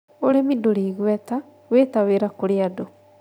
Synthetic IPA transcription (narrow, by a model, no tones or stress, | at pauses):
oɾemidoɾiːɣwɛta | wetaweɾakoɾeado